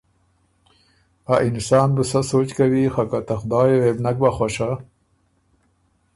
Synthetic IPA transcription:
aʔɪnsɑːnbəsasoːt͡ʃkawixakat̪axʊd̪ɑːjewebnak̚baxwaʃa

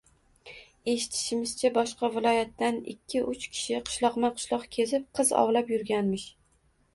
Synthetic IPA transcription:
e̞ʃɪ̥t̪ʰɪ̥ʃɪmɪz̥t͡ʃʰabɒʃqɑvɪlˠɒjat̪ːanɪ̰kʲʰːɪʔʊt͡ʃkʲʰɪ̥ʃɪqʰɨ̥ʃlˠɒqmaqʰʊ̥ʃlˠɒqkʲʰe̞zɪp̚qʰɨzɒ̰wlapjʊɾɡʲanmɪʃ

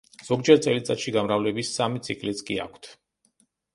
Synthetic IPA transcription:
z̥ɔɡd͡ʒɛɾt̪sʼɛlit̪sʼa̰ʃiɡamɾavlɛbisːamit̪sʰikʼlit̪sʰkʼia̰kʷʰt̪ʰ

